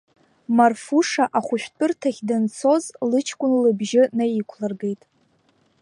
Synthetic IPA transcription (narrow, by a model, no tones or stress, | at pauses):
marfuʂaʔaχʷʊʃʷᶣtʼɨrtʰaχʲdant͡sʰo̞zlɨt͡ʃʰkʷʼʊnlɨbʒɪnajikʷʰlarɡejtʼ